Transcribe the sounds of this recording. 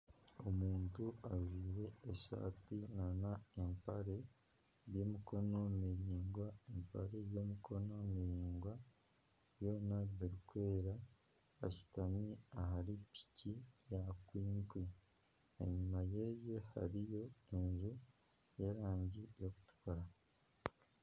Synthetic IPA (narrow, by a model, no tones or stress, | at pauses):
o̞muːntuaʒiːɾe̞ːʃa̰ːtinanaempaɾe̞ | βjo̞miko̞no̞miɾiːŋɡwaempaɾe̞βjomikʰo̞no̞miɾiːŋɡwa | βjo̞ːnaβiɾikwe̞ːɾa | a̰ci̥tamiaɦaɾipi̥cijakwiːŋkwi | ḛɲumajeje̞ha̰ɾijo̞e̞nzu | jeɾaːɲɟijo̞ku̥tu̥koɾa